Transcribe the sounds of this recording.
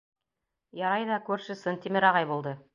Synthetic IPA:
jɑɾɑjðɑkʉɾʃɘ̆sɘnt̪imɘɾɑʁɑjbulˠd̪ɤ

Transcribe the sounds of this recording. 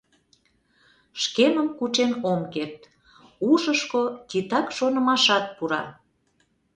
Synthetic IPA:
ʃkeməmkut͡ʃenomkert̪ | uʒəʃkot̪it̪ɑkʃonə̆mɑʃɑt̪̚puɾɑ̰

